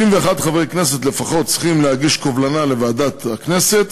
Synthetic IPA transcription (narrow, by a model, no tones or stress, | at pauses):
imveaχad̪χavejkneset̪le̞faχo̞t̪̚t͡si̥χimlehaɡiʃkovlanale̞vaːd̪at̪aknese̞t̪